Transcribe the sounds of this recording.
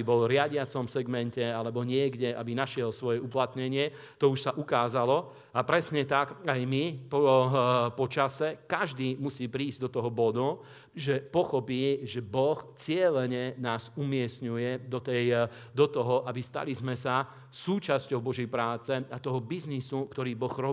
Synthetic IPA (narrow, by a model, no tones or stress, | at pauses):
ibɔlɾɪaɟɪat͡sɔmfsɛɡmɛncɛalɛbɔɲɪɛɡɟɛʔa̰binaʃɪɛlsʋɔjɛuplat̪ɲɛɲɪɛ | t̪ɔuʃsaʔukaːzalɔ | apɾɛsɲɛt̪akajmipɔ | pɔt͡ʃasɛkaʒd̪iːmusiːpɾiːzɟd̪ɔt̪ɔɦɔbɔd̪u | ʒɛpɔxɔpiːʒɛbɔxt͡sɪɛlɛɲɛnaːzumɪɛst̪ɲujɛd̪ɔt̪ɛj | d̪ɔt̪ɔɦɔʔabist̪a̰lizmɛsa | suːt͡ʃascɔʊbɔʒɛjpɾaːt͡sɛat̪ɔɦɔbiznisukt̪ɔɾiːbɔɣɾɔ